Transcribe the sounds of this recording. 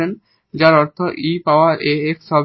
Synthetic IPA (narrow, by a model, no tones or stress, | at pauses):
en | d͡ʑaɾɔɾt̪ʰoʔipaoaɾʔeeksɔb